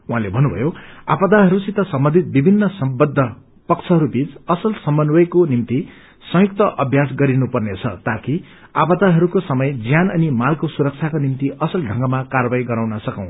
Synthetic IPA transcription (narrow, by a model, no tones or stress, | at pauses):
uɦãlebʱʌnːubʱʌ̰joa̰pʌd̪aɦʌɾusit̪ʌsʌmbʌnd̪ʱit̪̚bibʱinːʌsʌmbʌd̪ʱːʌ | pʌkt͡sʰʌɦʌɾubit͡sʌsʌlsʌmbʌnwʌjkonimt̪i | sʌ̃juk̚t̪ʌʔʌbʱjasɡʌɾinupʌrnet͡sʰʌt̪aki | apʌd̪aɦʌɾukosʌmʌjd͡zjanʌnimalkosuɾʌk̚t͡sʰakonimt̪iʌsʌlɖʱʌ̃ŋɡʌmakarʌbajɡʌɾawnʌsʌkʌ̰̃w̃